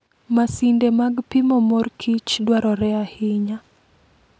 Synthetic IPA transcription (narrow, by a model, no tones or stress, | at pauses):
masindemaɡpimɔmɔrkʰit͡ʃdwaɾɔɾɛahɪɲa